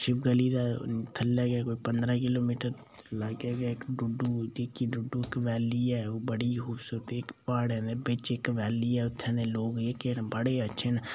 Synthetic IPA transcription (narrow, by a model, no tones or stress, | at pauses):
ʃɪpɡəliːd̪aːt̪ʰəlːaːɡaːkoːipənd̪ɾaːkɪloːmiːʈəɾ | ləɡaːɡaːɪkɖʊɖuːd͡ʒ̪ikiɖʊɖːuːɪkʋɛːliːɛːoːbəɽiːxuːbsuːɾət̪eːɪkpaːɽɛ̃ːd̪eːbɪt͡ʃɪkʋɛːliːɛːʊt̪ʰːɛ̃ːnd̪eːloːkekenbəɽeːətːʃʰeːn